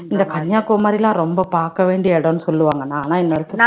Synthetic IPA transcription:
ɪnd̪ɐkɐɳjaːkːoːmaːd̪ɾɪlãːɾɔmbɐpaːɾkɐʋeːɳɖɪjɐɽɐ̃nːɯsɔlːɯʋaːŋɡɐnːaːnaːɪnːɐɾɐt̪ːɯ

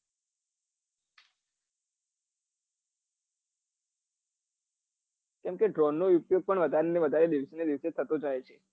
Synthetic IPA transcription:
kɛmkeɖɾɔnːoupjoɡ̚pəɳʋəd̪ʱaɾeneʋəd̪ʱaɾed̪iʋsened̪iʋset̪ʰət̪õd͡ʒajet͡ʃʰe̥

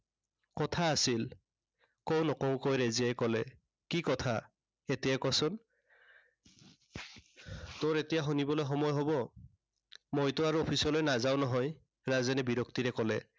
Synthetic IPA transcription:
kɔtʰaːsil | kownɔkɔʊ̃kojɹeziajkɔlɛ | kikɔtʰa | etijakɔsʊn | tʊɹetijaxunibɔlojxɔmɔjɦɔbɔ | mojtʊaɹuɔpʰisɔlojnazaʊnɔɦɔj | ɹazɛnɛbiɹɔktiɹɛkɔlɛ

